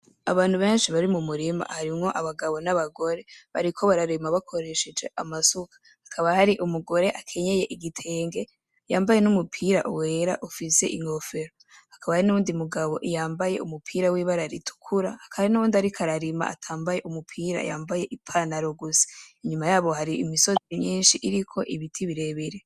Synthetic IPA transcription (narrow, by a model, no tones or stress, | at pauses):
aβaːn̥huβe̞ːnʃiβaɾimumuɾima̰haɾimŋo̞ʔaβaɡaβo̞naβaɡo̞ɾe̞βa̰ɾikʰo̞βaɾaɾimaβakʰo̞ɾe̞ʃed͡ʒe̞ʔamasukʰḁhakʰaβahaɾiʔumuɡo̞ɾe̞ʔakʰe̞ɲe̞je̞ʔiɡitʰe̞ːŋɡe̞ | jaːmbaje̞numupʰiːɾa̰ʔuweːɾaʔufise̞ʔiŋo̞fe̞ɾo | hḁkʰaβahaɾinuβuːndimuɡaβo̞̰ʔijaːmbaje̞̰umupʰiːɾawiːβaɾaɾitʰu̥kʰuɾahakʰaaɾinuβuːndiaɾikʰaɾaɾima̰a̰tʰaːmbaje̞ʔumupʰiːɾa̰jaːmbaje̞ʔipʰanaɾoɡuse̥iɲumajaːβo̞haɾiḭmiso̞ɲiːnʃiʔiɾikʰo̞ʔiβitʰiβiɾe̞βeɾe̞